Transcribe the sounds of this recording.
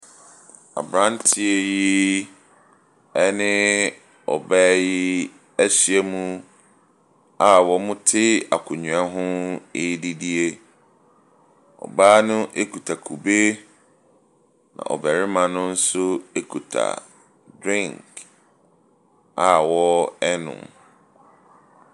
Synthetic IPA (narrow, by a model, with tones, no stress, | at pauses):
a̰˨bɾã˦ntʰi˦e˦˨ji˦ | ɛ˦nɪ̃˦ | ɔ˨bɛː˦ji˦ | æ˦ɕi˨e˦mũ˦ | a˨wɔ˨mʊ̃˦tʰɪ˦a˨kʰʊ˨ɲũ˨a˦ɦʊ̃˦e˦di˦di˦e˦ | ɔ̰˨baː˦nʊ̃˦ʔe˦kʰu˨tʰa˨kʰu˨be˦ | nã̰˨ʔɔ̰˨bæ˨ɾɪ˦mã˨nʊ̃˦n̩˦sʊ˦e˦kʰu˨tʰa̰˨ | dɾɪ̃˦˨ŋk | a˨wɔ˦ɛ˦nʊ̰̃˨m